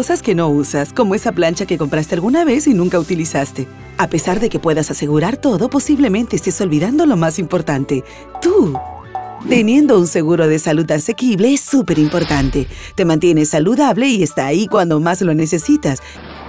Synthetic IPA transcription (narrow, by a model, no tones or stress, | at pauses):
osaske̞no̞usasko̞mo̞e̞saplant͡ʃake̞ko̞mpɾast̪ealɣunaβ̞e̞sinũŋkaut̪ilisast̪e̞ | ape̞saɾðe̞ke̞pwe̞ðasase̞ɣuɾaɾt̪o̞ðo̞po̞siβle̞mẽ̞nt̪eːst̪eso̞lβiðand̪o̞lo̞masimpo̞ɾt̪ant̪e̞ | t̪u | t̪e̞nje̞nd̪o̞unse̞ɣuɾo̞ðe̞saluðase̞kiβle̞esːupe̞ɾimpo̞ɾt̪ant̪e̞t̪e̞mãnt̪je̞nesaluðaβle̞ie̞st̪aːikwand̪o̞mazlo̞nese̞sit̪as